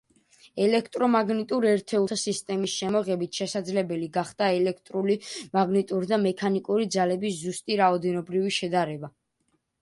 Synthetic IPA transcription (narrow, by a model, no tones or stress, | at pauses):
ɛlɛkʰt̪ʼɾɔmaɡnit̪ʼuɾɛɾt̪ʰɛut̪ʰasist̪ʼɛmisʃɛmɔʁɛbit̪ʰʃɛsad̪zlɛbɛliɡaχd̪̥aɛlɛkʰt̪ʼɾulimaɡnit̪ʼuɾd̪amɛkʰanikʼuɾid̪zalɛbiszust̪ʼiɾaɔd̪ɛnɔbɾiviʃɛd̪aɾɛba